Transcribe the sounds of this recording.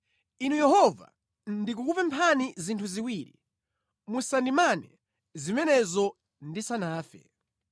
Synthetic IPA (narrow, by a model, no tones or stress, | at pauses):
inujɛhɔva̰ | ndikukupɛmpʰanizintʰuziwiːɾḭ | musandimanɛ | zimɛnɛzɔ | ndisanaːfɛ̰